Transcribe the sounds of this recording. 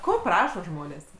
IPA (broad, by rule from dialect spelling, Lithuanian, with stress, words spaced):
ˈkoː ˈprɑːʃoː ˈʒmoːnʲeːs